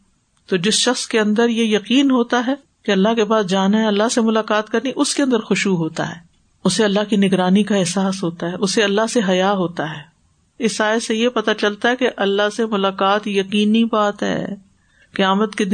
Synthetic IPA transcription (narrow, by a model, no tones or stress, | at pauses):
t̪oːd͡ʒɪsʃɐxskeɐ̃nd̪əɾjejɐqiːnɦoːt̪aɦɛː | keɐlːaɦkepaːsd͡ʒaːnaɦɛɐlːaɦsemʊlaːqaːt̪kɐɾniʔʊskeɐ̃nd̪əɾxʊʃuɦoːt̪a̰ɦɛ̰ː | ʊseɐlːaɦkinɪɡɾaːnikaɛɦsaːsɦoːt̪aɦɛʔʊseɐlːaɦseɦɐjaɦoːt̪aɦɛː | ɪsaːesejepɐt̪at͡ʃɐlt̪aɦɛkeʔɐlːaɦsemʊlaːqaːt̪jɐqiːnːibaːt̪ɦɛ̰ː | kɐjaːmət̪ked̪